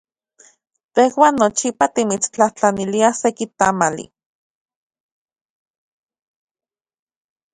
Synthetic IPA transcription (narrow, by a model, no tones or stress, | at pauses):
t̪ehwaːnːot͡ʃipat̪imit͡st͡ɬaht͡ɬaniliasekit̪amalḭ